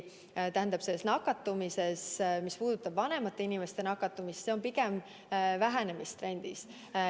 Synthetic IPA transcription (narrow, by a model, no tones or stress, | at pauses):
t̪æɦænd̪̥ɑb̥selːesnɑkːˑɑt̪ːˑumise̞smispuːd̪̥ut̪ːˑɑb̥vɑne̞mɑt̪ːˑeinʲimest̪e̞nɑkːˑɑt̪ːˑumist̪se̞o̞mpiɡem | væɦæne̞mist̪ɾe̞nʲd̪̥is